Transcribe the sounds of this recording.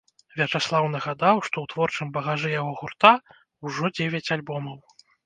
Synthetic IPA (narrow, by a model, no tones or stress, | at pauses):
vʲɛt͡ʂaslˠawnɐɣad̪awʂt̪ɔwt̪vɔrt͡ʂɨmbɐɣaʐɨjaɣɔɣurt̪a | uʐɔd͡zʲevʲat͡sʲalʲbɔmɐw